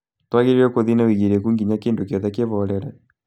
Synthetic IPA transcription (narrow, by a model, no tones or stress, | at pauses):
twaɣeɾiɾɛkoðinawiɣiɾɛkuŋɡiɲakendokjɔðɛkeβɔɾɛɾɛ